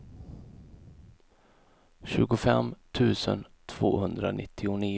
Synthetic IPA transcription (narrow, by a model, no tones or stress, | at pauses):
ɕʉ̟ːɡʊfɛmt̪ʰʉ̟ːsən | t̪ʰv̥o̰ːhɵnd̪ɾanɪt̪ʰːɪʊniː